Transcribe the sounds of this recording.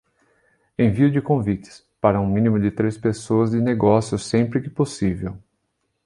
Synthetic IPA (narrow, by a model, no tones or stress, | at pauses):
ẽj̃viʊd͡ʒɪkõvit͡ʃɪ̥s | paɾɐũmĩnimʊd͡ʒɪt̪ɾespesoɐzd͡ʒɪneɡɔsjʊsẽmpɾɪkɪ̥posivew